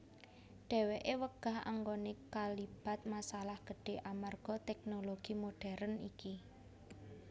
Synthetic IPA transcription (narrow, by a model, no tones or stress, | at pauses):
ɖ̥ɛ̤weʔewəɡ̥a̤ɦa̰ŋɡonekalib̥a̤t̪̚masalahɡ̥ə̤ɖ̥e̤ʔamarɡ̥ɔ̤t̪ɛk̚noloɡ̥imoɖ̥ɛɾəniki